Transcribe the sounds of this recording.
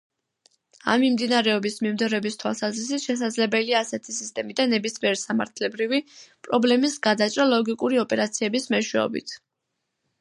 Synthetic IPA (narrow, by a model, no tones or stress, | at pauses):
a̰mːimd̪inaɾɛɔbismimd̪ɔɾɛbist̪ʰwa̰lˠsazɾis̬it̪ʃɛs̬ad̪zlɛbɛliaːsɛt̪ʰisist̪ʼɛmid̪anɛbismiɛɾsama̰ɾt̪ʰlɛbɾivipʼɾɔblɛmisɡad̪at͡ʃʼɾalˠɔɡikʼuɾiɔpʼɛɾat̪sʰiɛbismɛʃwɛ̰ɔ̰bḭt̪ʰ